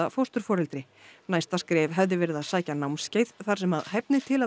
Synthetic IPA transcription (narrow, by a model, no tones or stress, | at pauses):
afowst̪ʏɾ̥fɔːɾɛlt̪ɾɪ | najst̪askɾɛːvɦɛvðɪvɛːɾɪðasaːjcanawmsceːjt̪θaɾ̥sɛmaðhɛp̚nɪt̪ʰɪla